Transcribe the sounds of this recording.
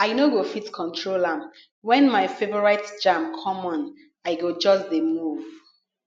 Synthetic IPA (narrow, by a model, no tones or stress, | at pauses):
aɪnoɡofitkʰɔ̃ntʰɹolãm | wɛ̃nmaɪfebɔɹaɪtd͡ʒãmkʰɔmɔ̃n | aɪɡod͡ʒɔsdemuv